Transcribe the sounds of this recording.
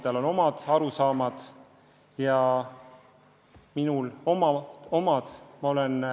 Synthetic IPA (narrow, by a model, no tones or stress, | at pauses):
t̪ɑlo̞no̞mɑd̪̥ɑɾusɑːmɑd̪̥ | jɑ | minulomɑo̞mɑd̪̥mɑo̞len